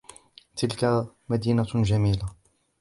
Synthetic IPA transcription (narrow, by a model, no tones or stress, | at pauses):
t̪ɪlka | mad̪iːnad͡ʒamiːla